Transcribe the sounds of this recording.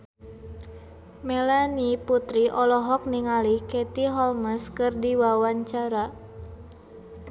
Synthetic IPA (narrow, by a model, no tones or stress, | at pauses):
melaniput̪ɾiʔɔlɔɦɔk̚niŋalikɛt̪iɦɔlməskɨrdiwawaɲt͡ʃaɾa